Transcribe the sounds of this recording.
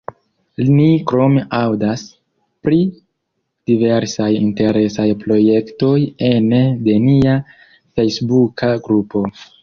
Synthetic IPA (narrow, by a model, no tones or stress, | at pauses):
nikɾo̞me̞ʔawdas | pɾi | d̥ive̞ɾsajinte̞ɾe̞sajpɾo̞je̞kto̞je̞nde̞nia | fe̞jsbukʰaɡɾupo̞